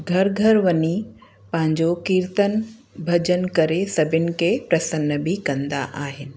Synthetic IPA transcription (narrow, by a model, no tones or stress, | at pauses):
ɡʱɐɾɡʱɐɾʋɐɲi | pɐ̃ɦɪ̃ɲd͡ʑokiːɾt̪ən | bʱɐd͡ʑənkɐɾesɐbʱɪnɪ̆kepɾɐsənːəbʱikɐ̃nd̪a̰ʔaːɦɪnɪ̆